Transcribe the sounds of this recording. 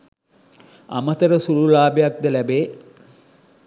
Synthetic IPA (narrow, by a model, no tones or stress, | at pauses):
a̰mət̪əɾəsululaːbejak̚d̪əlæbeː